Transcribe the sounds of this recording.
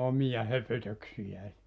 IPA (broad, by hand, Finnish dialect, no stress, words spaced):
omijɑ høpøtøksijæː